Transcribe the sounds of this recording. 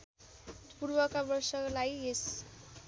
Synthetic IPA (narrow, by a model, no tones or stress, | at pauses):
purbʌkabʌrsʌklajes